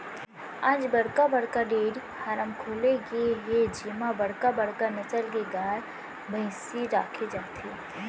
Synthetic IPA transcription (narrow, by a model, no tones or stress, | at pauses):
ãːd͡ʒbəɽkabəɽkaɖeːɽihaːɾəmkʰoːleɡeɦed͡ʒiːmabəɽkabəɽkanət͡ʃəlkeɡaːɾ | bʱəɪ̃siɾaːkʰed͡ʒaːt̪e